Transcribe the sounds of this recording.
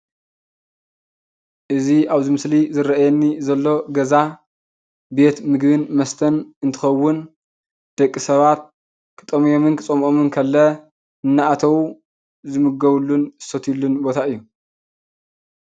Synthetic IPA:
ʔɨziaβzɨmɨslizɨɾɐʔajɛnːizɐlːo̞ɡɐza | be̞t̪mɨɡβɨnmɐst̪ʰɐnɨnt̪ʰɨ̥xɐwːʊn | d̪̥ɐkʼːisɐβat̪̚ | kʰɨ̥t̪ʼɐmjomɨnkʰɨt͡sʼɐmʔomɨnkʰɐlːɐ | ɨnːaat̪ʰɐwu | zɨmɨɡɐβulːunsot̪ʰjulːunbo̞t̪ʰaɨjːu

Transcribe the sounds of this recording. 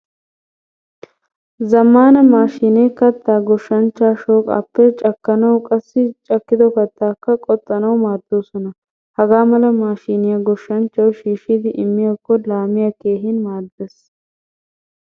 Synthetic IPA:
zɐmːaːnɐmaːʃiːnekɐt̪ːaːɡɔʃːɐnt͡ʃːaːʃoːkʼa̰ːpːɛt͡ʃʼɐkːɐnɐwkʼɐsːɪt͡ʃʼɐkːɪd̪ɔkɐt̪ːaːkːɐkʼɔt̪ʼːɐnɐwmaːɾd̪̥oːsɔnɐ | hɐɡaːmɐlɐmaːʃiːnɪjɐɡɔʃːɐnt͡ʃːɐwʃiːʃiːd̪ɪʔɪmːɪjɐkːɔlaːmɪjɐke̞ːɦɪnmaːɾd̪ɛs

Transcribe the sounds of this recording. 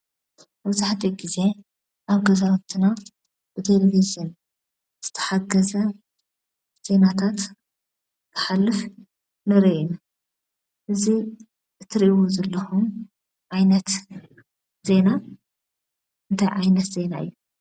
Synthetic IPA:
mɐβzaħt̪ʰiɡize̞ | ʔaβɡɐzaɐt̪ʰɨna | b̥ɨt̪ʰe̞levizɨn | z̥ɨ̥t̪ʰɐ̥ħaɡɐzɐ | z̥e̞nat̪ʰat̪ | kʰɐ̥ħalːɨf | nɐɾin | ʔɨzi | ɨt̪ʰːɨɾʔiwuzɐlːɐxum | ʕajnɐt̪ | z̥e̞na | ɨnt̪ʰajʕajnɐt̪z̥e̞na̰ɨ̰jːu

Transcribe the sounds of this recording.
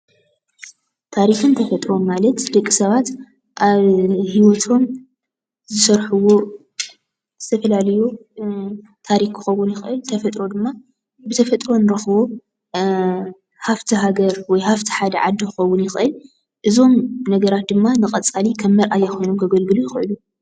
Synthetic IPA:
t̪ʰaɾixɨnt̪ʰɐfɐt̪ʼɾo̞mːalɐt̪d̪ɐkʼːisɐβat̪ | ʔaβhiwɔt̪ʰo̞m | zɨsɐɾħuwo̞ | z̥ɨt̪ʰɐfɐlalɐju | t̪ʰaɾixkʰɨxɐwːunjɪxʔɨlt̪ʰɐfɐt̪ʼɾo̞d̪ɨmːa | bɨt̪ʰɐfɐt̪ʼɾo̞nɨɾɐxβo̞ | haft̪ʰiɦaɡɐɾwɔjhaft̪ʰi̥ħad̪ɐʕad̪ːikʰɨxɐwːʊnjɪxʔɨl | ʔɨzo̞mnɐɡɐɾat̪̚d̪ɨmːanɨkʼɐt͡sʼalikʰɐmːɐɾʔajːɐxojnomɡɐɡɐlɡɨlujɪxʔɨlu

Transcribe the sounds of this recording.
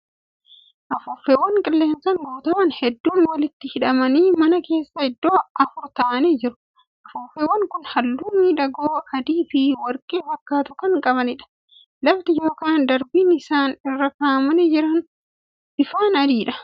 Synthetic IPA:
ʔɐfʊfːewɐŋkʼɪlːe̞ːnsɐŋɡoːt̪ɐwɐnhɛd̪ːuːnwɐlɪt̪ːɪhɪᶑɐmɐniːmɐnɐke̞ːsːɐhɪd̪ːo̞ːʔɐfʊɾt̪aːɐnɛd͡ʒɪɾʊ̥ | ʔɐfʊfːewɐŋkʊnhɐlːuːmiːᶑɐɡoːɐd̪iːfɪwɐɾkʼeːfɐkːaːt̪ʊkɐŋkʼɐβɐnɪᶑɐ̥ | lɐft̪ɪjo̞ːkaːnd̪ɐɾbiːnɪsaːnɪrːɐkaːmɐnɛd͡ʒɪɾɐn | bɪfaːnɐd̪iːᶑɐ̥

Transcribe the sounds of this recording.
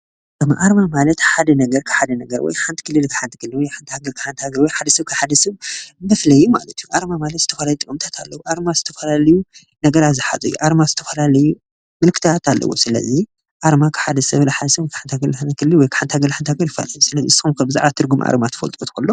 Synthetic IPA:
mʔaɾmamalɐt̪ħad̪ɐnɐɡɐɾkʰɨ̥ħad̪ɐnɐɡɐɾwɔ̰jħant̪ʰɨ̥kʰɨlɨlkʰɨ̥ħant̪ʰɨkʰɨlːɨlwɔjħant̪haɡɐlkʰɨ̥ħant̪haɡɐɾwɔjħad̪ɐsɐβkʰɨħad̪ɐsɐβmɐflɐjːuma̰lɐt̪ijuʔaɾmamalɐt̪zɨt̪ʰɐfɐlaljut̪ɨkʼɨmt̪ʰat̪ʰalːɐwoʔaɾmaz̥ɨt̪ʰɐfɐlalɐju | nɐɡɐɾazɨħa̰zʼɐjṵʔaɾmazɨt̪ʰɐfɐlalɐju | mɨlkʰɨt̪ʰat̪ʰalːɐ̰wosɨlɐ̰zi | ʔaɾmakʰɨ̥ħad̪ɐsɐβlħad̪ɐsɐβkʰħant̪ʰaɡɐlħankʰɨlːɨlwɔjkʰɨ̥ħant̪haɡɐlħant̪haɡɐɾjɪfːa̰lɐjusɨlɐziɨsːxumkʰɐbɨza̰ʕβat̪ʰɨɾɡumʔa̰ɾmat̪ʰɐ̥fɐ̰lt̪ʼot̪ʰkʰulːo

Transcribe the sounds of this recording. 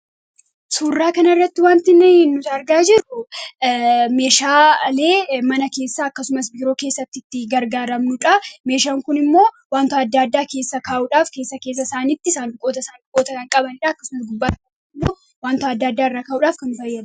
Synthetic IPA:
suːrːaːkɐnɪrːɐt̪ːɪwaːnt̪ɪnɪnʊt̪ɐɾɡaːd͡ʒɪɾʊ | me̞ːʃaːle̞ːmɐnɐke̞ːsːaːɐkːɐsʊmɐsbiːɾo̞ːke̞ːsːɐt̪ːɪt̪ːɪɡɐɾɡaːɾɐmnʊᶑɐme̞ːʃaːŋkʊnɪmːo̞ː | waːnt̪ɐɐd̪ːaːd̪ːaːke̞ːsːɐkaːʔuᶑaːfke̞ːsːɐke̞ːs̬ːɐsaːniːt̪ːɪsaːndʊkʼo̞ːt̪ɐsaːnbʊkʼːo̞ːt̪ɐkɐŋkʼɐbɐnɪᶑaːɐkːɐsʊmɐs̬ɡʊbːaːɐn | ɪmːoː | waːnt̪ɐɐd̪ːaːd̪ːaːɪrːaːkaːʔuᶑaːfkɐnːʊfɐjːɐd̪

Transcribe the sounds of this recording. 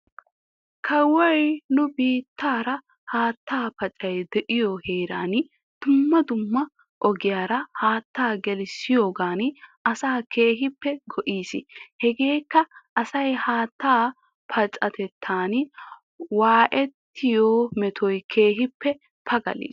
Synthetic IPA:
kʰɐwɐjnʊbiːt̪ːaːɾɐ | haːt̪ːaːpɐt͡ʃʼɐjd̪ɛʔɪjɔheːɾa̰ːn | d̪̥ʊmːɐd̪ʊmːɐ | ʔɔɡɪjaːɾɐhaːt̪ːaːɡɛlɪsɪjoːɡaːnɪʔɐsaːkʰe̞ːɦɪpːɛɡɔʔiːsɪhɛɡe̞ːkːɐʔɐsɐjhaːt̪ːaː | pʰɐt͡ʃʼɐt̪ɛt̪ʰːaːn | waːʔɛt̪ːɪjoːmɛt̪ʰɔjkʰe̞ːɦɪpːɛ | pʰɐɡɐ̰lḭːs

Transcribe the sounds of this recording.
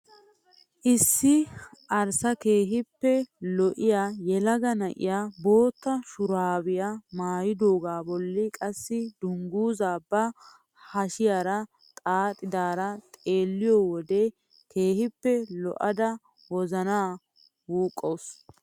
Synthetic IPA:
ʔɪsːɪʔɐɾsɐke̞ːɦɪpːɛlɔʔɪjaːjɛlɐɡɐnɐʔɪ̰jaːbo̞ːt̪ːɐʃʊɾaːbɪjamaːjɪd̪oːɡaːbɔlːɪkʼɐsːɪd̪ʊŋɡuːzaːbɐ | hɐʃɪjaːɾɐ | t̪ʼaːt̪ʼːɪd̪aːɾɐt̪ʼe̞ːlːɪjɔwɔd̪ɛ | kʰe̞ːhɪpːɛlɔ̰ʔɐd̪ɐ | wɔzɐnaː | wuːkʼːows

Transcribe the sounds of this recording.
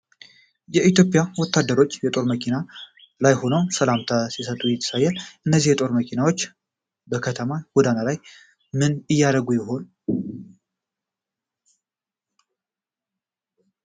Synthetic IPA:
jɛʔit̪jo̞pʼjawɔt̪ʰːad̪ːəɾo̞t͡ʃːjɛt̪ʼo̞ɾməkʰina | lajho̞nəwsəlamt̪ʰasisət̪ʼːujɛt̪ʰːə̥sajːɛlʔɨnːəzːihjɛt̪ʼo̞ɾməkʰinawo̞t͡ʃː | bəkʰət̪ʰəmaɡ̥ɔd̪analaj | mɨnɨjːad̪əɡujɪɦo̞n

